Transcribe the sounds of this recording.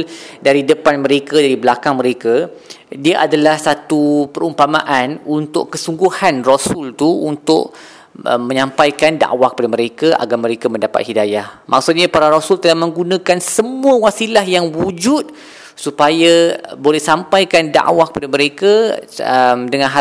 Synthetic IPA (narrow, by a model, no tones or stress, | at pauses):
ldaɾidəpanmə̃ɾekadaɾibəlakaŋməɾeka | diaʔadalahsat̪upəɾumpamaʔanunt̪ʊ̰ʔkəsuŋɡuhanrosʊlt̪uunt̪ʊ̰ʔ̚ | ə̰mə̃ɲãmpajkanda̰ʔwahkə̥padaməɾekaʔa̰ɡamə̃ɾekamə̃ndapa̰t̪̚hidajahmʔa̰ksut̪̚ɲapaɾaɾosult̪əlahmə̃ŋɡunãkansəmuəwasilaɦjaŋwud͡ʒut̪̚ | supajabolɛhsampajkanda̰ʔwahkə̥padamə̃ɾekaəmdəŋãnɦa